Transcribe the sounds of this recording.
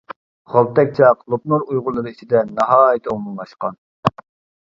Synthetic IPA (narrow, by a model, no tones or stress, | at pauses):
ʁɑlˠt̪ɛk̚ʲt͡ʃʰɑqlˠup̚nuɾujʁʊlˠːɨɾɨit͡ʃʰɪd̪ɛnːɑɦɑːjɪt̪ʰɛoŋmumˠɑʃqɑn